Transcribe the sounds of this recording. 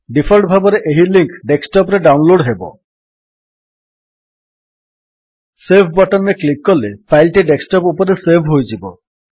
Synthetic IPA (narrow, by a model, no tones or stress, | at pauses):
ɖipʰoɾʈbʱabɔɾeʔeɦiliŋkɖeksʈɔpɾeɖawnloɖɦebɔ̰ | sebʱbɔʈɔnɾeklikːɔlepʰajlʈiɖeksʈɔpupɔɾesebʱɦojd͡ʒibɔ